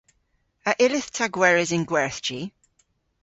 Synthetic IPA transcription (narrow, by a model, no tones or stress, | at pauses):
əʔɪlɪθtʰaɡwɛɹɪzɪ̃nɡwɛɹθt͡ʃi